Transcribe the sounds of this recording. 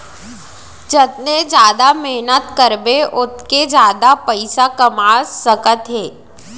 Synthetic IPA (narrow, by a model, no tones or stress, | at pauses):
d͡ʒɐt̪ned͡ʒjaːd̪amɛɦnət̪kəɾbeʔʊt̪ked͡ʒjaːd̪apɐɪsakɐmaːzsɐkət̪ɦeː